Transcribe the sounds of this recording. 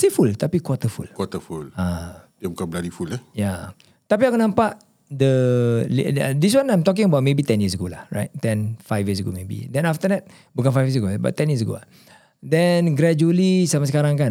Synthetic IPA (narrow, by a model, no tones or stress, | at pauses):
sefult̪apikwɔt̪əfṵlkwɔt̪əfuladiabukanbəlalifulɛja | t̪apiakunãmpaʔ | dəlḭdis̬wãnãjmt̪ɔk̬ɪ̃ŋəbawt̚mebit̪ɛnjəs̬əɡola̰hɹa̰jt̚t̪ɛ̃nfajfjiəs̬əɡo̰mebḭdɛ̃naft̪ədɛt̚ | buk̬anfajfjiəsəɡoba̰ʔt̪ɛ̃njəs̬əɡo̰la̰ | dɛnɡɾɛd͡ʒuəlisamasəkaɾãŋkan